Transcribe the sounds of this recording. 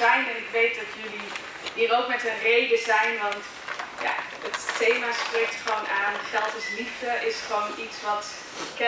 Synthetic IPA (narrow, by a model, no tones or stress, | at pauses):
ɛjnɛnɪkʋejt̚dɑtjɵli | ɦiːrowkmɛtənrejdəzɛjnʋɑnt | ja̰ː | əttejmaːsprejk̚tχʋownaːnχɛlˠtɪslivdəʔɪsχəʋownitsʋɑt | kɛ